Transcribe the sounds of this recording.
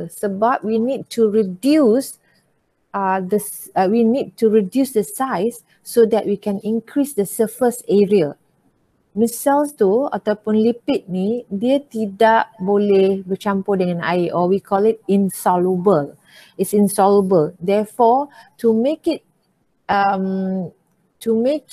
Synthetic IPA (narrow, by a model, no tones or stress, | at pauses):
səbap̚winid̚tʰuɹidjus | adə | winid̚tuɹidjusdəsaɪsː | odɛt̚wikɛ̃nĩŋkʰɹisdəsəfəsɛɹia | misɛlstua̰t̪əpũnlipit̚nidiət̪idaʔbolebət͡ʃãmpodɛ̃ŋɛ̃na̰jʔɔwikʰɔlit̚ĩnsɔlubəl | ɪtsĩnsɔləbəldɛfɔtumekit̚ | əm | tumek̚